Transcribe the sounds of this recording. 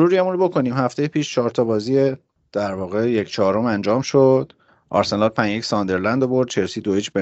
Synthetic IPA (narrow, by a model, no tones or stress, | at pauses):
ɾuːɾiæmunɾobo̞kʰo̞niːmhæft̪ejepʰiːʃt͡ʃʰɒːɾt̪ʰɒːbɒːzije | d̪̥æɾvɒːɣe̞jecʰt͡ʃʰɒːɾomænd͡ʒɒːmʃod̪̥ | ʔɒ̰ːɾsenɒlpʰæɲjecsɒːnd̪eɾlænd̪obo̞ɾd̪̥t͡ʃʰe̞lsid̪oit͡ʃbe